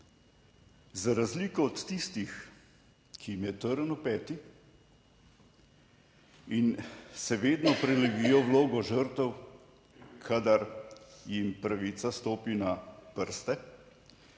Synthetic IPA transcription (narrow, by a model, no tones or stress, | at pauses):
zaɾazliːkɔːt̪ːist̪ix | kʰiimjɛt̪əɾənupɛːt̪i | insɛʋeːd̪nɔpɾɛlɛɡijɔwloːɡɔʒəɾt̪əw | kʰad̪aɾjimpɾaʋiːt̪sast̪oːpinapəɾst̪ɛ